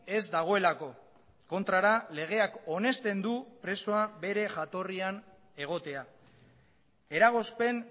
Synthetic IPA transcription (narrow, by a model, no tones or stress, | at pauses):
e̞zd̪aɣ̞o̞e̞lako̞ | ko̞nt̪ɾaɾale̞ɣ̞e̞ako̞ne̞st̪e̞nd̪upɾe̞so̞abe̞ɾe̞ʝat̪o̞rian | e̞ɣ̞o̞t̪e̞a | e̞ɾaɣ̞o̞spe̞n